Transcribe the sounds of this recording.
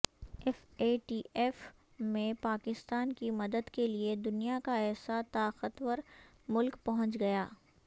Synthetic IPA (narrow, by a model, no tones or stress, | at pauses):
ɛfeːʈiːʔɛːf | mẽpaːkɪst̪aːnkimɐd̪əd̪kelied̪ʊnijakaɛːsat̪aːqət̪wəɾ | mʊlkpɐɦʊ̃t͡ʃɡɐjaː